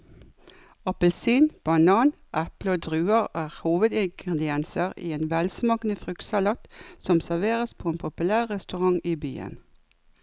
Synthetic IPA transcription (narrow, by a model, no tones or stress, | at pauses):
ɑpəlsiːnb̥ɑnɑːn | ʔæpləoːd̪ʁʉːəʁæːʁhuːʋəd̪ɪŋɡʁɛd̪ɪɛnsəʁḭːeːnʋɛlsmɑːknəfʁʏk̪sɑlɑːt̪sɔmsæʁʋeːʁəspʰoːeːnpʰʊpʉlæːʁːɛst̪ʉʁɑŋiːby̰ːə̰n